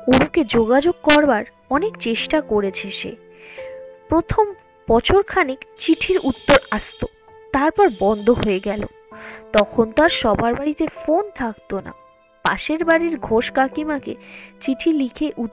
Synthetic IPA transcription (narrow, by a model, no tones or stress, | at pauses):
oɾuked͡ʑoɡad͡ʑoɡ̚kɔɾbaɾ | ɔnekt͡ɕeʃʈakoɾet͡ɕʰeʃḛ | pɾot̪ʰom | pɔt͡ɕʰoɾkʰanikt͡ɕiʈʰiɾut̪ːoɾast̪o | t̪aɾpɔɾbɔnd̪ʱoɦoeɡɛlo̰ | t̪ɔkʰont̪aɾʃɔbʱaɾbaɾit̪efont̪ʰakt̪ona̰ | pa̰ʃeɾbaɾiɾɡʱoʃkakimakḛt͡ɕiʈʰilikʰeʔut̪ː